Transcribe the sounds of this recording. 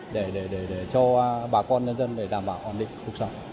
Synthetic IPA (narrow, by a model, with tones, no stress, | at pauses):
ɗe˧˩ɗe˧˩ɗe˧˩ɗe˧˩t͡ɕɔ˧ɓaː˨˩kɔ˧nɲə˧nzə˧nɗe˧˩ɗaː˨˩mɓa̰ː˧˨wʔa˧˩nɗḭ̈˧˨ŋ̟ku˨˩ək̚sə˧wŋ͡m